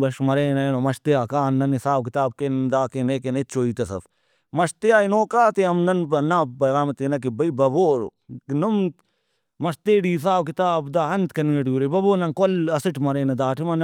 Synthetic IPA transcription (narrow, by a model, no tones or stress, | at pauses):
bɐʃmɐɾeːnɐnoːmɐʃt̪eaːkaːnːɐnisaːbkɪt̪aːb̚kend̪aːkeneːkenett͡ʃʰoːiːt̪ɐsɐ̰f | mɐʃt̪eaːinoːkaːt̪eɐmnɐnbɐnãːbɐɾaːmt̪eːnɐk̬ibɐibɐboːɾ | num | mɐʃt̪eːɽiːs̬aːbkɪt̪aːbd̪aːɦɐnt̪kɐnɡeʈuːɾebɐboːnɐnkolɐsɪʈmɐɾeːnɐd̪aːʈʰimɐn